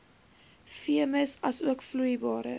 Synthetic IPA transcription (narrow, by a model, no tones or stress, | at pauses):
fiəməsɐsuəkflujbɑːɾə̰